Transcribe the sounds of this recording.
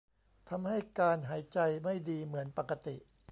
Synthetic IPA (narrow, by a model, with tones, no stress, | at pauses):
t̪ʰa˧mha˥˩jkaː˧nɦaː˩˦jt͡ɕa˧jma˥˩jdiː˧mɯ˩˦ənpa˨˩kːa˧t̪i˨˩ʔ